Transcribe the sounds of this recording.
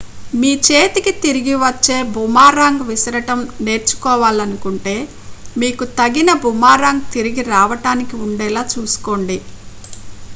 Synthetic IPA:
miːt͡ʃe̞ːt̪ikit̪iɾiɡiʋɐt͡ʃːe̞ːbʱumaːɾaːŋɡʋisɐɾɐʈɐmne̞ːɾt͡ʃu̥kɔːʋaːlɐnukuɳʈe̞ː | miːkut̪ɐɡinɐbʱumːaːɾaːŋɡ̚t̪iɾiɡiɾaːʋɐʈaːnikiuɳɖɛːlaːt͡ʃuːsu̥ko̞ːɳɖi

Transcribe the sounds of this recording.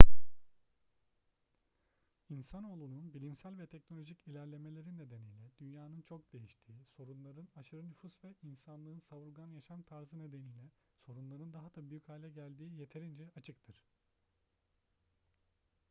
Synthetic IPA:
insano̞ːlˠununbilʲimsælʲvɛt̪ʰɛcno̞lʲo̞ʒicilʲæɾlʲe̞me̞lʲe̞ɾinːe̞d̪e̞nijlʲɛd̪̥ynjaːnɯnt͡ʃʰo̞k̚d̪̥e̞jiʃt̪ʰiːso̞ɾunlˠaɾɯnaʃɯɾɯnyfusvɛinsanlˠɯːɯnsaβuɾɡanjaʃamt̪ʰaɾzɯne̞d̪e̞nijlʲɛ | so̞ɾunlˠaɾɯnd̪aɦad̪̥abyjychaːlʲɛɟælʲd̪iːje̞t̪ʰe̞ɾind͡ʒɛat͡ʃʰɯkt̪ʰɯɾ̥

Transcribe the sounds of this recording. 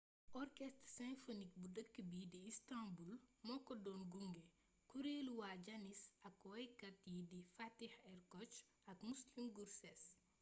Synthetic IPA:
ʔɔrkɛstsɛ̃nfonik̚budəkːəbidiistãmbulmɔkːɔdɔːnɡuŋɡɛ | kuɾeːluwaɟɐnisɐkwɐjkɐtjidifatihɛrkɔt͡ʃ | ɐkmuslimɡursɛs

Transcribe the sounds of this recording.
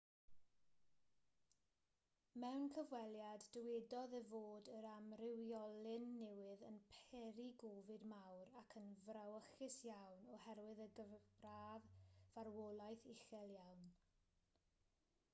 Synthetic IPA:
mɛwnkʰəvwɛlˠjadːəwɛdɔðəvoːdəɾamrɪwjɔlˠɪnːɛwɪðənpʰɛɾiɡovɨdmawɾakʰənvrawəχɪsjawnɔhɛɾwɪðəɡəraːvvarwɔlˠajθɪxɛlˠjawn

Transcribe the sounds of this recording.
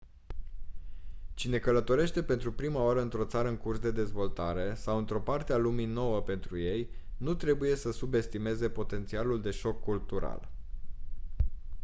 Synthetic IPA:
t͡ʃine̞kələt̪o̞ɾe̞ʃt̪e̞pe̞nt̪ɾupɾimaoaɾəɨnt̪ɾo̞t̪saɾəɨŋkursd̪e̞d̪e̞zvo̞lt̪aɾe̞sawɨnt̪ɾo̞part̪ealumino̞wəpe̞nt̪ɾuje̞jnut̪ɾe̞buje̞səsube̞st̪ime̞ze̞po̞t̪e̞nt̪sialuld̪e̞ʃo̞kːult̪uɾa̰l

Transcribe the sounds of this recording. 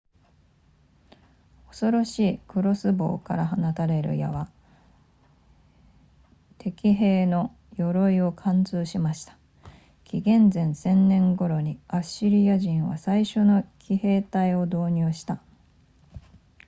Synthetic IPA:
o̞so̞ɾo̞ɕiːkɯ̟ɾo̞sɨbo̞̰ːka̰ɾaɦanat̪aɾe̞ɾɯ̟̰ja̰βa | t̪ʰe̞kʲiɦe̞ːno̞ | jo̞ɾo̞io̞kʰãnt͡sɨːɕimaɕi̥t̪ḁ | kʲiɡẽ̞nzẽ̞ñsẽ̞nnẽ̞ŋɡo̞ɾo̞ɲ̟iaɕiɾʲijaʑĩɰ̃βa̰saiɕo̞no̞kʲʰihe̞ːt̪aio̞d̪o̞ːɲ̟ɨːɕi̥t̪a

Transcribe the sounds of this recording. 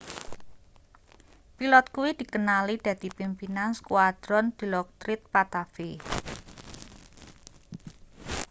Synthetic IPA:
pilɔt̪̚kuwid̪̥i̤kənalid̪̥ä̤d̪̥i̤pimpinanskuad̪̥ɾɔnd̪̥i̤lɔk̚t̪ɾɪt̪̚pat̪afe

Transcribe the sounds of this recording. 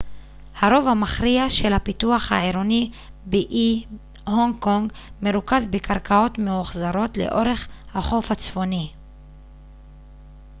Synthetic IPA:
haʁo̞vhamaχʁiaʃe̞lhapituaχha̰eɾoni | biʔi | hoŋkoŋɡ | meɾukazbekʰaʁkʰao̞tmeuχzaʁo̞tle̞̰ʔo̞ʁe̞χhaχo̞fat͡sfo̞ni

